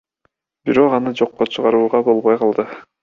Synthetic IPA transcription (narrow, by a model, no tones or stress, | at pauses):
biɾo̞qɑnɯd͡ʒo̞qːot͡ʃʰɯʁɑɾuːʁɑbo̞lˠβojqʰɑlˠd̪ɯ